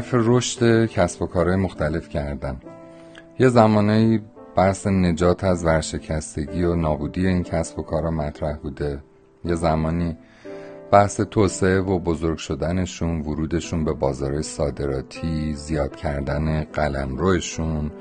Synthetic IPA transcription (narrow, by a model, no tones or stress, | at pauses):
hæɾfe̞ɾo̞ʃt̪e̞cʰæsbo̞kʰɒːɾɒːjemo̞xt̪æle̞fcʰæɾd̪æn | je̞zæmɒːneiː | b̥æhse̞ne̞d͡ʒɒːt̪ʰæzvæɾʃe̞cʰæst̪e̞ɟiːonɒːbuːd̪ije̞iːncʰæsbo̞kʰɒːɾɒːmæt̪ʰɾæhbuːd̪e̞ | je̞zæmɒːniː | b̥æhse̞t̪ʰoːsee̞vobo̞zoɾɡ̥ʃo̞d̪æne̞ʃuːnvoɾuːd̪e̞ʃuːnbe̞bɒːzɒːɾɒːjesɒːd̪e̞ɾɒːt̪ʰiːzijɒːd̪̥cʰæɾd̪æne̞ɢælæmɾoeʃun